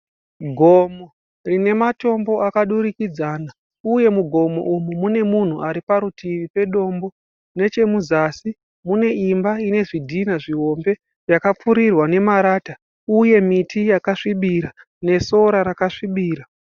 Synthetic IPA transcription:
ɡʱo̞mo | rine̞mato̞mbo̞akaɗuɾikid͡zaːna | uje̞muɡʱo̞mo̞̰ʔumumune̞mun̤uʔaɾipaɾutʰiʋipe̞ɗo̞ːmbo̞ | ne̞t͡ʃe̞muzasi | mune̞imbaine̞ʐidʱinaʐiɦo̞mbe̞ | jakap͡fuɾirwane̞maɾaːta | uje̞mitijakaʂiɓiɾa | ne̞so̞ɾaɾakaʂiɓiːɾa

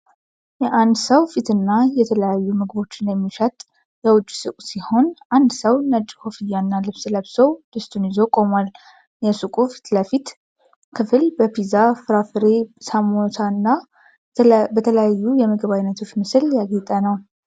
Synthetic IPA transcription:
jɛʔand̪səwfit̪ɨnːajɛt̪ʰələjajːumɨɡɨbo̞t͡ʃːɪnjɛmːiʃət̪ʼ | jəwʊt͡ʃʼːsɨkʷʼsiho̞nʔand̪səwnət͡ʃʼhofijːanːalɨβsɨləβsəwd̪̥ɨst̪ʰʼunjizo̞kʼo̞mwal | jɛsɨkʼufi̥t̪ləfit̪ | kʰɨfɨlbəpizafɨɾafɨɾe̞samot̪ʰanːa | bət̪ʰələjajːujɛməɡəβajnːət̪ʰot͡ʃmɨsɨljaɡit̪ʼənəw

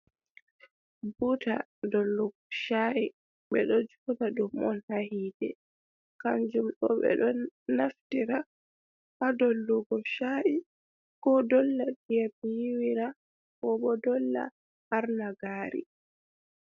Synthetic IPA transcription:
buta̰dɔlːuɡɔʃaʔi | ɓɛɗɔd͡ʒɔdaɗumɔnhahiːdɛ | kand͡ʒumɗɔ̰ɓɛ̰ɗɔnaftiɾa | adɔlːuɡɔʃaʔi | kɔdɔlːaɗijab̚jiwiɾa | kɔɓɔdɔlːa̰ː | ɾnaɡaːɾḭ

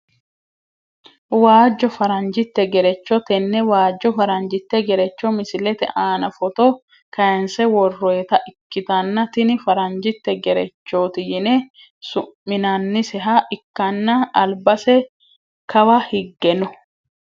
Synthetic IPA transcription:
waːd͡ʒːɔfɐɾɐnd͡ʒɪt̪ːɛɡɛɾɛt͡ʃːɔt̪ɛnːɛwaːd͡ʒːɔfɐɾɐnd͡ʒɪt̪ːɛɡɛɾɛt͡ʃːɔmɪsɪlɛt̪ɛ̰ʔaːnɐfɔt̪o | kɐjɐnsɛwɔrːɔɛt̪ɐʔɪkːɪt̪ɐnːɐt̪ɪnɪfɐɾɐnd͡ʒɪt̪ːɛɡɛɾɛ̰t͡ʃːoːt̪ɪjɪne | sʊʔmːɪnɐnːɪsɛɦaʔɪkːɐnːɐɐlbɐsɛ | kɐwɐhɪɡːɛnɔ

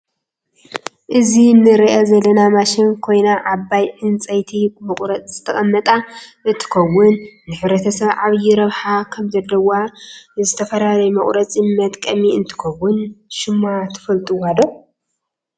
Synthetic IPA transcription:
ʔɨzinɨɾiʔɐzɐlːɐnamaʃɪnkʰo̞jnaʕabːajʕɨnt͡sʼɐjt̪ʰimɐχʼɾɐt͡sʼzɨt̪ʰɐχʼɐmːɐt̪ʼaʔɨnt̪ʰɨ̥kʰɐwːʊnːɨħɨβɾɐt̪ʰɐsɐβʕaβjɪɾɐβħakʰɐmzɐlːɐwazɨt̪ʰɐfɐlalɐjmɐχʼɾɐt͡sʼmmɐt̪ʼkʼɐmiɨnt̪ʰɨ̥kɐwːʊnʃɪmːat̪ʰɨ̥fɐlt̪ʼuwad̪o

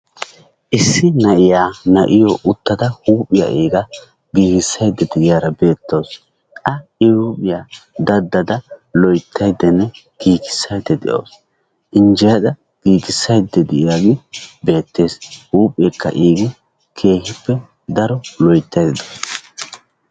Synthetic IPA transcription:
ʔɪsːɪnɐʔɪjaːnɐ̰ʔɪjɔʔʊt̪ːɐd̪ɐhuːpʼɪja̰ʔiːɡɐ | ɡiːɡɪsːɐjd̪ːɛd̪ɛʔɪjaːɾɐbe̞ːt̪ːoːs | ʔɐɪhuːpʼɪjaːd̪ɐd̪ːɐd̪ɐlɔjt̪ʰːɐjd̪ːɛnːɛ | ɡ̥iːkɪ̥sːɐjd̪ːɛd̪ɪ̰ʔo̰ːs | ʔɪnd͡ʒɛjɐd̪ɐ | ɡ̥iːɡɪsːɐjd̪ːɛd̪ɪʔɪjaːɡɪbe̞ːt̪ːe̞ːshuːpʼɪeːkːɐ̰ʔiːɡɪ | kʰe̞ːhɪpːɛ | d̪ɐɾɔlɔjt̪ːɐjd̪ɪd̪os

